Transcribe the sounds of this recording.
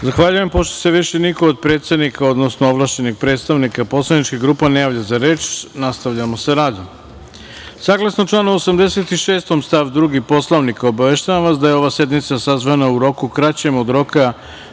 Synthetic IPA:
zaxʋaʎuje̞mpo̞ʃt̪ose̞ʋiʃenikoːd̪̚pɾet̪sed̪nikʰao̞d̪nosnooʋlˠaːʃt͡ʃe̞nixɡ̚pɾet̪st̪aʋnikapo̞slˠanit͡ʃkiɡɾuːpanejaːʋʎazaɾe̞ːt͡ʃnast̪aʋʎamo̞seɾaːd̪om | saːɡlˠasnot͡ʃlˠaːnoosamd̪e̞se̞t̪iʃeːst̪omst̪aʋd̪ɾuɡipo̞slˠaʋnikaobaʋeʃt̪aʋamʋas̬d̪ajeoʋasje̞d̪mit̪sasazʋanauɾo̞kukɾat͡ɕe̞mod̪ɾo̞ka

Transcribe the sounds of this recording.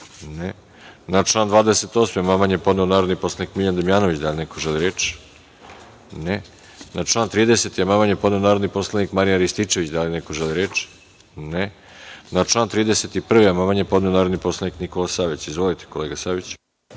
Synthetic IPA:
ne | naʈ͡ʂlˠaːnd̪ʋaːd̪eset̪oːsmejmamaɲjepod̪neonaːɾod̪niposlanikmiʎand̪amjaːno̞ʋit͡ɕd̪alʲinekoʒeliɾeːt͡ʃ | ne | nat͡ʃlˠaːnt̪ɾiːd̪eset̪ijemamaɲjepo̞d̪neo̞naːɾo̞d̪nipo̞slˠanikmaɾijaɾist̪it͡ʃe̞ʋit͡ɕd̪alinekoʒeliɾeːt͡ʃ | ne | nat͡ʃlˠaːnt̪ɾiːd̪eset̪ipr̩ʋijamamaɲjepod̪neo̞naːɾod̪nipo̞slˠaniknikolˠasaːʋit͡ɕizʋolit̪e̥ko̞leːɡasaːʋit͡ɕ

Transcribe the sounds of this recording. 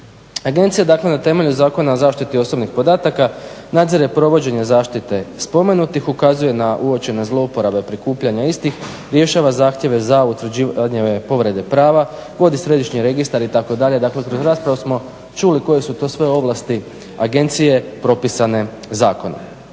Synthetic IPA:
aɡe̞nt̪sijad̪aːkle̞nat̪e̞me̞ʎuzaːko̞naozaːʃt̪it̪io̞sobnixpo̞d̪aːt̪aka | nad̪ziɾepɾo̞ʋo̞d͡ʑe̞ɲezaːʃt̪it̪e̞spo̞me̞nut̪ixukazuje̞naʔuot͡ɕe̞nezlˠo̞upo̞ɾabe̞pɾikuːpʎaɲaist̪ix | ɾje̞ʃaːʋazaːxt̪jeʋe̞zaut̪ʋɾ̩d͡ʑiːad̪ɲeʋepo̞ʋɾe̞d̪e̞pɾaːʋa | ʋo̞d̪isɾe̞d̪iʃɲiɾe̞ɡist̪aɾit̪ako̞d̪aʎe̞d̪akle̞kɾozɾaːspɾaʋusmo̞ | t͡ʃuliko̞je̞sut̪o̞sʋe̞o̞ʋlast̪i | aɡe̞nt̪sije̞pɾo̞pisane̞ | zaːko̞na̰

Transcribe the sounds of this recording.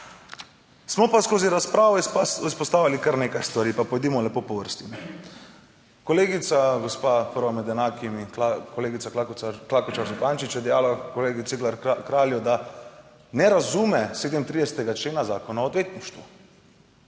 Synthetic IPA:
smɔpaskoːziɾaspɾaːʋɔispɔst̪aːʋalikəɾneːkajst̪ʋaɾipapɔjd̪iːmɔlɛpopɔʋəɾst̪im | kɔleːɡit̪saɡɔspaːpəɾʋamɛd̪ɛnaːkimikoleːɡit̪aklakɔt͡ʃaɾzɔpaːnt͡ʃit͡ʃjɛd̪ɛjaːlakoleːɡiseɡlaɾkɾaːljɔd̪a | nɛɾazuːmɛseːd̪əmt̪ɾid̪ɛsɛt̪ɛɡat͡ʃleːnazaːkɔnaɔd̪ʋeːt̪niʃt̪ʋṵ

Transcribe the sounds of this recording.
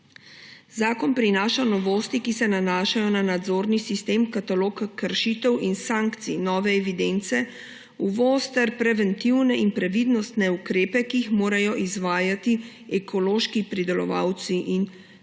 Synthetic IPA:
zaːkɔnpɾinaːʃanɔʋoːst̪ikisɛnanaːʃajɔnanad̪zoːɾnisist̪eːmkat̪aloːkkːəɾʃit̪ɛwʔinsaːŋkt̪sinɔːʋɛɛʋid̪ent̪sɛ | uʋoːst̪ɛɾpɾɛʋɛnt̪iwnɛinpɾɛʋid̪nɔst̪nɛukɾeːpɛkiːxmoːɾajɔʔizʋaːjat̪i | ɛkʰɔloːʃkipɾid̪ɛlɔ̰ʋa̰wt̪siʔin

